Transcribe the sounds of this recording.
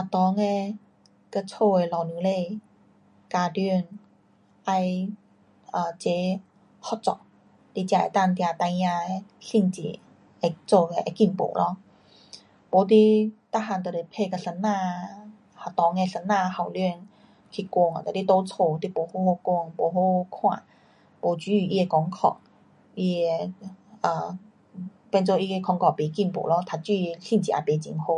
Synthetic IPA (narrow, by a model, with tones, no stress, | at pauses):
ha˨˩t̪ɔ˨˦ŋɛ˧ | kə˧˦t͡sʰo˧e˨˩lɔ˨˩wnɯ˨˦le˧ | kaː˧dy˧ə˨ŋ | ʔa˧j | ʔaː˨˩t͡ɕe˨˧˦ | hɔ˧˦t͡sɔ̰˨˩ | t̪i˧˦t͡ɕja˧˩ɛ̰˨t̪a˧˨nt̪i˧a˧t̪a˧jɲa˧˩˧si˧˨ŋt͡ɕḭ˨˦ | ʔa˧˩t͡so˧˩kɛ˧˩ʔa˧˩ki˧˩npo̰˨˦lɔ˧˦˨ŋ | po˨˦t̪̬i˧t̪a˥ɦa˧˩nt̪o˨˩le˨˩pʰe˥˧kə˧sə˧˦nːã˧ | ha˨˩t̪ɔ˨˦ŋe˧sə˧˥nːã˥˧ha˨˩wlɥi˥˧n | kʰi˧˩kwɔ˧ŋ˨t̪a˨˩t̪i˧˦t̪o˧˦t͡sʰo˧t̪i˧po˨˩˦ho˧˦ho˧kwɔ˧ŋpo˨˧ɦo˧kʰwã̰˧˩ | po˨˩t͡ɕy˧˦˨ʔi˦˧e˧kɔ˧ŋkʰɔ̰˧˩k̚ | i˦˥e˧ə˧˩ | pɛ˥˧nt͡so˥˧ʔi˧e˧kʰɔ˧ŋkʰɔ˧˩pi˨˧ki˥˩mpo̰˨˩lɔ˧t̪ʰa˧t͡ɕy˧˨ɕi˥˧nt͡ɕḭ˨ʔa̰˨˩pe˧˩t͡ɕḭ˧˨ŋho˧˦